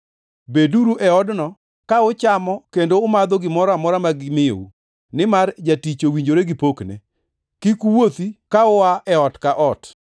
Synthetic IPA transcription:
beduɾuʔɛɔdnɔ | kaʊt͡ʃamɔkendoʊmad̪ɔɡɪmɔɾamɔɾamaɡɪmɪjo̰u | nɪmard͡ʒatit͡ʃowiɲd͡ʒoɾeɡɪpoknḛ | kikuwot̪ikaʊwaʔɛɔtkaʔɔt

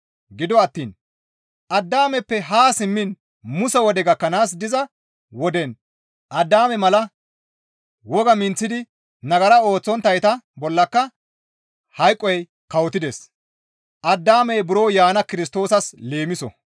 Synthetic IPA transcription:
ɡɪd̪ɔɐt̪ːiːn | ʔɐd̪ːaːmɛpːɛɦaːsɪmːɪn | mʊsɛwɔd̪ɛɡɐkːɐnaːs̬d̪ɪzɐ | wɔd̪ɛn | ʔɐd̪ːaːmɛmɐlɐ | wɔɡɐmɪnt͡sːɪd̪ɪ | nɐɡɐɾɐo̞ːt͡sːɔnt̪ːɐjt̪ɐbɔlːɐkːɐ | hɐjkʼːɔj | kɐwt̪ːɪd̪ɛs | ʔɐd̪ːaːmɛjbʊɾo̞ːjaːnɐkɪɾɪst̪o̞ːsɐsle̞ːmɪsɔ̰

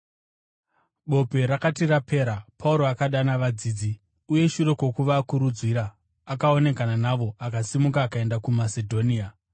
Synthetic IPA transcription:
ɓo̞pe̞ɾakatirapʰe̞ːɾapʰauɾo̞akaɗanaʋad͡ziːd͡zi | uje̞ʃuɾe̞kwo̞kuʋaːkuɾud͡zwiɾaː | kao̞ne̞kananaʋo̞akasimukaːkae̞ndakumase̞dʱo̞niːa

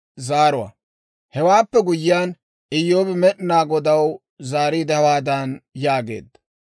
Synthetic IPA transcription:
zaːɾʊwɐ̰ | hɛwaːpːɛɡʊjɪjaːn | ɪjːoːbɪmɛʔnaːɡɔd̪ɐw | zaːɾiːd̪ɛhɐwaːd̪ɐnjaːɡḛːd̪ːɐ̥

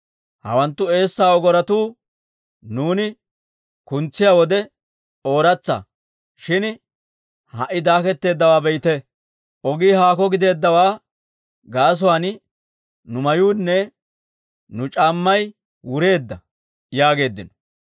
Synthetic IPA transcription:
hɐ̰wɐnt̪ːʊe̞ːsːaːɔɡɔɾɐt̪uː | nuːnɪ | kʊnt͡sːɪjawɔd̪ɛ | o̞ːɾɐt͡sːɐ̰ | ʃɪn | hɐʔːɪd̪aːkɛt̪ːe̞ːd̪ːɐwaːbɛjt̪ɛ | ʔɔɡiːɦaːkɔɡɪd̪e̞ːd̪ːɐwaː | ɡaːs̬ɔwan | nʊmɐjuːnːɛ | nʊt͡ʃʼaːmːɐj | wʊɾe̞ːd̪ːɐ | jaːɡe̞ːd̪ːɪnɔ̥

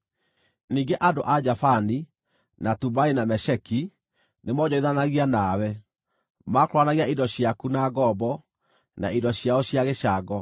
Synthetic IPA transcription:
niːŋɡeʔadoʔad͡ʑafani | natubainamɛʃɛki | nemɔɲɔiðanaɣianawɛ | makɾwanaɣiaidɔɕjakunaɣɔbɔ | na̰idɔɕjaɔɕjaɣeɕaɡɔ

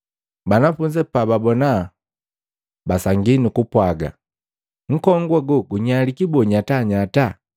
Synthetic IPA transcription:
banafuɲd͡ʒɛpababɔna | basaŋɡinikupwaɡa̰ | ŋ̩kɔŋɡwaɡuɡuɲalikibɔɲataɲata

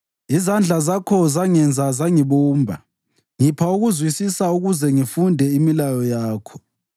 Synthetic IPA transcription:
izand͡ɮʱazakʰɔzaŋɛnd͡zʱazaŋiβuːmbʱa | ŋipʰauɣuzwisisauɣuzɛŋifundʱɛimilajɔjaːkʰɔ̥

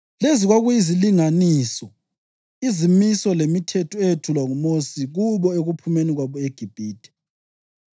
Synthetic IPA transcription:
leziɣwaɣujiziliŋaniːsɔ | izimisɔlemitʰɛtʰɔejetʰulwaŋumosiɣuβɔeɣupʰumeniɣwaβɔeɡ̥ʱib̥ʱiːd̥ʱʼɛ̥

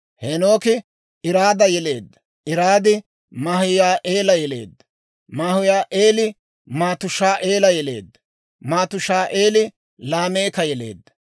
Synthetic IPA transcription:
henoːkɪ | ɪɾaːd̪ɐjɛle̞ːd̪ːɐ̥ | ɪɾaːd̪ɪ | mahʊjaːʔeːlɐjɛle̞̰ːd̪ːɐ̥ | mahʊjaːʔeːlɪ | maːt̪ʊʃaːʔeːlɐjɛle̞̰ːd̪ːɐ̥ | maːt̪ʊʃaːʔe̞ːlɪ | laːmeːkɐjɛle̞̰ːd̪ːɐ̥

